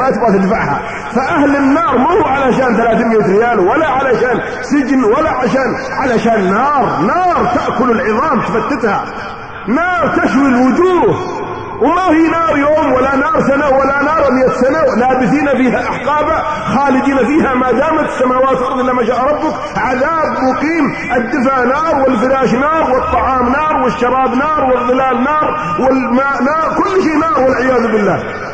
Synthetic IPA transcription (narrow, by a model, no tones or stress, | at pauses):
at̪ɪbɣat̪ɪd̪faʕha̰ | faʔahlɪnːɑːɾˤmahʊʕalaʃaːnθalaːθiːmɪjːat̪ɾɪjaːlwalːaʕalaʃaːn | sɪd͡ʒnwalːaʕaʃaːn | ʕalaʃaːnːɑːɾˤnɑːɾˤt̪aʔkʊlɪlʕɪðˤɑːmt̪fat̪ːɪt̪ha | nɑːɾˤt̪aʃwilwʊd͡ʒuːh | wmahiːnɑːɾˤjoːmwalːanɑːɾˤsanawalːanɑːɾˤmɪjːasanawlaːbɪθiːnafiːhaʔaħqɑːba | xaːlɪd̪iːnafiːhamaːd̪aːmasːamaːwaːt̪ɪlʔɑɾd̪ˤʔɪlːamaʃ̬aːʔɾˤɑbːʊk | ʕaðaːbmʊqiːm | ʔɪd̪ːɪfaʕnɑːɾˤwɪlfɪɾaːʃnɑːɾˤwɨt̪ˤːɑʕɑːmnɑːɾˤwɪʃːɑɾˤɑːbnɑːɾˤwɨðˤːɨlaːlnɑːɾˤ | wɪlmanɑːɾkʊlːʃeːnɑːɾˤwɪlʕɪjaːðʊbɪlːaː